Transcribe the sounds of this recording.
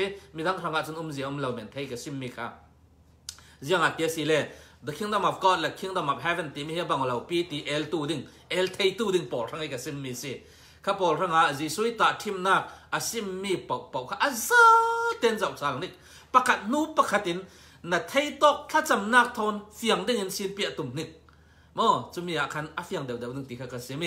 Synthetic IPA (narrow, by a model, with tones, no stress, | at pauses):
i˧mi˨d̪a˦ŋrɐ˨ŋa˨ʔt͡su˧nu˧˦mzi˨ɔ˧˦mlɐ˨wmɛ̰˨nt̪ʰe˧˦jkɐ˨si˧mːiː˧kʰa̰ː˧ | zi˧əŋa˨ʔt̪i˨ɐ˨si˨lɛ˧d̪ɐ˨kʰi˧˦ŋd̪ɔ˧˨mɐ˨p̚ɡɔ˦t̪̚lɛ˨kʰi˧˥ŋd̪ɔ˧˨mɐ˨p̚ɦɛ˦vɛ˨nt̪i˨mi˧hɛ˧˦ba˧˨ŋɔ˨lɐ˨wpiː˦t̪i˨ʔɛ˧˦lt̪uː˧di˧ŋ | ʔɛ˦lt̪ʰe˧jt̪uː˧˨di˧ŋpɔ˨lra˧ŋi˧ka˨si˧mːiː˧si˧ | kʰa˧pɔː˨lra˧ŋa˨ʔziː˨su˧˦i˦t̪aː˨tʰi˧mnaː˧˩k̚ɐ˨si˧mːi˧pɐ˨wʔpɐ˨wkʰa˧ʔɐ˧za˦t̪ɛ˧˦nzɐ˨wt͡sa˨˧˨lni˧k̚ | pɐ˧kʰɐ˧˨t̪̚nuː˦pɐ˧kʰɐ˧˨t̪̚i˨˦nː | ɐ˨t̪ʰe˧jt̪ɔ˦k̚t͡ɬʰa˦t͡sɐ˨mnaː˧k̚t̪ʰɔ˧nfi˨ɐŋdi˥˧ŋi˨nsi˧˦npi˧˦ʔa˧˨t̪u˨mni˧˨k̚ | mɔ˧˨t͡su˧mi˧a˨kʰɐ˧nɐ˨fi˧ɐŋd̪ɛ˨wd̪ɛ˨wdi˧˨ŋt̪i˨kʰa˧ka˧si˧mi˧